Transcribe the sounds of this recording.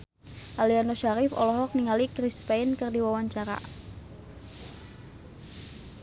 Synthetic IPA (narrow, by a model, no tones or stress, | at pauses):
ʔalianoʃaɾɪfɔlɔɦɔk̚niŋalikɾispajnkərdiwawaɲt͡ʃaɾa̰